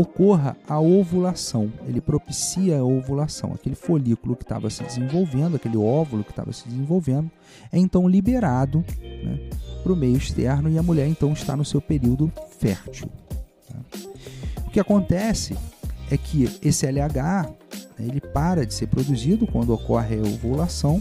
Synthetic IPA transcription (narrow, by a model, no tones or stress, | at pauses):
okoɦɐ̰aovulasɐ̃w̃elɪpɾopisiɐovulasɐ̰̃w̃a̰kelɪfolikʊlʊkɪ̥t̪a̰vɐsɪd͡ʒɪzẽvowvẽnd̪ʊakelɪɔvulʊkɪ̥ʃt̪a̰vɐ̰sɪd͡ʒɪzẽvowvẽnd̪ʊ | ɛẽnt̪ɐ̃w̃libeɾad̪ʊnɛ̰pɾʊmejʊiʃt̪ɛɾnʊɪɐmuʎɛɾẽnt̪ɐ̃w̃iʃt̪anʊsewpeɾiwd̪ʊfɛɾt͡ʃḭwt̪a̰ | ʊkɪakõnt̪ɛsɪ̰ɛkʰɪesɪɛlɪaɡanɛ̰elɪpaɾɐd͡ʒɪseɾpɾod̪uzid̪ʊkwɐ̃nd̪ʊokɔɦɪɐovulasɐ̃w̃